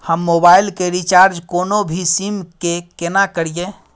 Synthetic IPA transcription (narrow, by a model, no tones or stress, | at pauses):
həmːobailkeɾit͡ʃaɾd͡ʒkonobʱisimkekenakəɾije